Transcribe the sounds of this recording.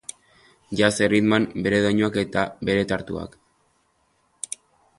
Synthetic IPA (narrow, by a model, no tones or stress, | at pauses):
ʝase̞riðmambe̞ɾeðojɲuake̞t̪aβe̞ɾe̞t̪aɾt̪ṵa̰k